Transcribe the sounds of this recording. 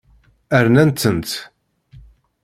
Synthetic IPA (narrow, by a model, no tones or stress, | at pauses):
æɾnænt̪ːənt̪